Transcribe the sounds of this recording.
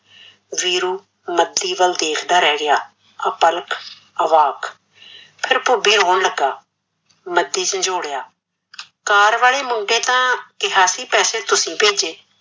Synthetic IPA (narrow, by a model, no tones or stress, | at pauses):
ʋiːɾuː | məd̪ːiːʋəld̪eːkʰd̪aːɾɛːɡɪjaː | əpəlk | əʋaːk | pʰɪɾpʊbiːɾoːnləɡaː | məd̪ːiːsə̃nd͡ʒoːɽjaː | kaːɾʋaːɭeːmʊɳɖẽːt̪ãːkɪɦaːsiːpɛːsẽːt̪ʊsĩːpeːd͡ʒeː